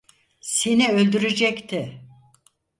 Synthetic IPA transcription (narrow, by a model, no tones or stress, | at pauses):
siniø̞lʲd̪yɾed͡ʒɛct̪ʰɪ